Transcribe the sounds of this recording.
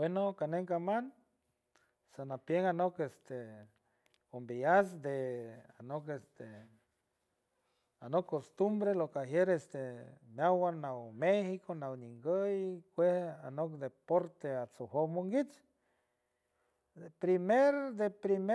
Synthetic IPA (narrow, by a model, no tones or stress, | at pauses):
wenokaneŋkaman | sanapjeŋanokest̪e | ombias̬d̪ea̰nokest̪e | anokːost̪umbɾelokaɦjeɾest̪emjawanamexikʰonawniŋɡəjkʷehanokd̪epoɾt̪eat͡sohomoŋɡit͡ʃ | pɾimeɾd̪epɾime